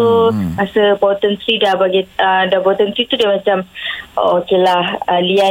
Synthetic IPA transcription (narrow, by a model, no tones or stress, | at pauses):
omasəbawt̪ənt̪ɾidabaɡiədabawt̪ənt̪ɾit̪udamat͡ʃamokelahəlia